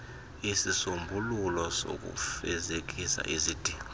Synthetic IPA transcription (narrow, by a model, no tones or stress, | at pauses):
isisumbʱululɔso̰k̬ʼṵfɛzek̬isa̰ʔizid̥ʱiːɔ